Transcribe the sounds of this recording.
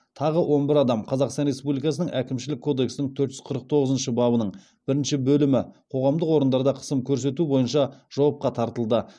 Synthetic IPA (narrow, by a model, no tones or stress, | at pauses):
t̪ʰɑʁəwʔo̞nbɪɾɑd̪ɑmqʰɑzɑqst̪ɑnɾe̞spublijkɑsənəŋʔækʲɪmʃɪlɪkʰːo̞d̪e̞ksɪnɪŋt̪ʰɵɾt̪ʒʏ̥zqʰəɾəq̚t̪ʰo̞ʁəzənʃəbɑbənəɴ | b̥ɪɾɪnʃɪbɵlɪmɪqʰo̞ʁɑmd̪əqwo̞ɾənd̪ɑɾd̪ɑqʰə̥səmkʲʰɵɾs̬e̞t̪ubo̞jənʃɑʒ̥ɑwɑp̚qɑt̪ʰɑɾt̪əlˠd̪ə